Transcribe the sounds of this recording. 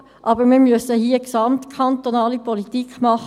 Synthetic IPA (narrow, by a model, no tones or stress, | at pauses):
ʔɑːbəɾmiːmyəsəhiːəksɑmt̪kʰɑnt̪ɔnɑːlipɔlit̪ikχmɑχ